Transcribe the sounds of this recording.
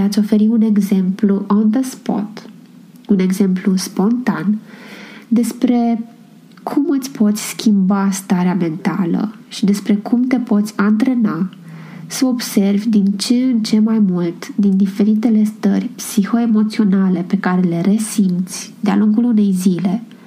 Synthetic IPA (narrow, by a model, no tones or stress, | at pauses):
at̪sʲo̞fe̞ɾiune̞ɡze̞mpluʔond̪əspo̰t̪ | une̞ɡze̞mpluspo̞nt̪an | d̪e̞spɾe̞ | kʰumɨt̪sʲpo̞t̪sʲskʲʰimbast̪aɾeame̞nt̪alə̰ | ʃid̪e̞spɾe̞kʰumt̪e̞po̞t̪sʲant̪ɾe̞na | səo̞bse̞rvʲd̪int͡ʃeɨnt͡ʃe̞majmult̪d̪ind̪ife̞ɾit̪e̞le̞st̪ə̰rʲpsixo̞e̞mo̞t̪sio̞nale̞pe̞kaɾe̞le̞ɾe̞simt̪sʲd̪ea̰luŋɡulune̞jzile̞